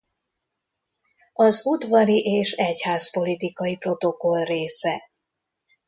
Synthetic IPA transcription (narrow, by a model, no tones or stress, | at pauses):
ɒzud̪vɒɾiʔeːʃɛchaːspo̞lit̪ikɒipro̞t̪o̞ko̞lreːsɛ